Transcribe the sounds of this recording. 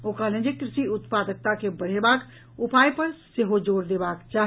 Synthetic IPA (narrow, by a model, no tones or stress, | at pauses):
oːkalə̃d͡ʒekɾɪsiʊt̪pad̪ək̚t̪akebəɽ̤ebaːk | upaːjpəɾseɦod͡ʒoːɾd̪eːbaːkt͡ʃaːɦ